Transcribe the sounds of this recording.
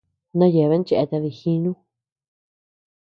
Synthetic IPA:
nã˦je˨βe˦nt͡ʃe˧e˧t̪a˧ði˧˨xĩ˦nũ˦

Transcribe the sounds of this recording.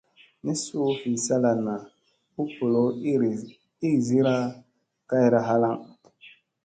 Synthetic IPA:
ni˦su˦fi˨sa˦la˨na˨ | u˦po˨lo˦˨ | i˦˨zi˦ɾa˦ | ka˦i˦ɾa˨ɦa˦la˦ŋ

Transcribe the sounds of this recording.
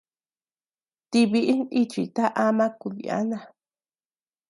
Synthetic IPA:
t̪i˧βi˧ʔi˦ni˦t͡ʃi˨t̪a˦ʔa˧˦mã˦ku˧ðḭ˨a̰˦nã˧˨

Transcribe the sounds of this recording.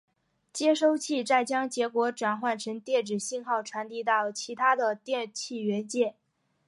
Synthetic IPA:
t͡ɕjɛ˥ʂo˥ʊt͡ɕʰi˥˧t͡sa˥˩ɪt͡ɕjɑ˥ŋt͡ɕjɛ˧˥kwɔ˧˥ʈ͡ʂwa˨˩nxwa˥˩nʈ͡ʂʰɤ˧˥ŋt̪jɛ˥˩nʈ͡ʂɻ̩˨˩ɕi˥˧nxɑ˥˩ʊʈ͡ʂʰwa˧˥nt̪i˥˧t̪ɑ˥˩ʊt͡ɕʰi˧˥t̪ʰa˥d̪ə˨t̪jɛ˥˧nt͡ɕʰi˥˩ɥɛ˧˥nt͡ɕjɛ˥˩

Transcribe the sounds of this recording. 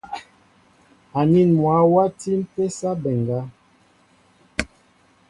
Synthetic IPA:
a˨ni˦˨nmwa˨˦wa˦ti˦m̩˦pe˦sa˦bɛ˨ŋɡa˦

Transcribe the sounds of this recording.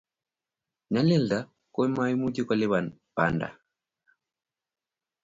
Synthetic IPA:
ɲa˦lɛ˦lda˨ | ko˦ma˦i˦mu˦ɟi˦kɔ˨lɛ˦βa˨npa̰˨nda̰˨

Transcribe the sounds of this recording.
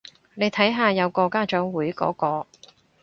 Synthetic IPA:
ne˨˧jt̪ʰɐ˨˥jɦaː˨˧jɐ˨˧wkɔː˧kaː˥t͡ʃœː˨˥ŋwuː˨˥jkɔ̰ː˨˥kɔː˧

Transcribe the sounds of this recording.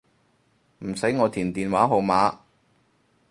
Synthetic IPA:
m̩˨˩sɐ˨˥jŋɔː˨˧t̪ʰiː˨˩nt̪iː˨nwaː˨˥ɦo˨˧wmaː˨˥

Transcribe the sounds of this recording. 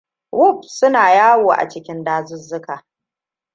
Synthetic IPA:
wʊ˦˨p̚sʊ˦naː˨jaː˦woː˨ʔa̰˨t͡ʃɪ˦kʲɪ˦ndaː˦zʊ˦zʊ˦kaː˨

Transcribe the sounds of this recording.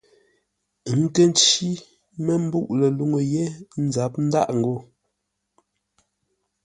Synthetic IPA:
ŋ̩˦˨kə˦n˦t͡ʃi˦ | mə˦m̩˦bu˦ʔlə˨lu˨ŋo˨je˦n̩˦za˨˦p̚n̩˦da˦˨ʔŋ̩˨ɡo˦˨

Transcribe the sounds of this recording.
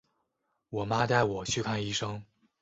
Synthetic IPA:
wɔ˨˩ma˥t̪a˥˩ɪwɔ˨˩t͡ɕʰy˥˧kʰa˥˧ni˥˩ʂɤ˥ŋ

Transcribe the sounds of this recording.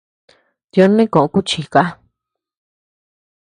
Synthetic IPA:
t̪jo˧˦nĩ˦kõ˨ʔõ˧ku˦t͡ʃi˨ka˦

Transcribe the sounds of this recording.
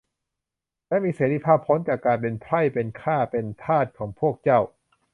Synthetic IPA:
lɛ˧˥miː˧seː˩˦˥ɾi˧˥˩pʰaː˥˩pʰːo˦˥nt͡ɕaː˨˩kaː˧npe˧npʰɾa˥˩jpe˧nkʰaː˥˩pe˧np̪ʰaː˥˩t̪̚kʰɔː˩˦ŋpʰu˥˩ək̚t͡ɕa˥˩w

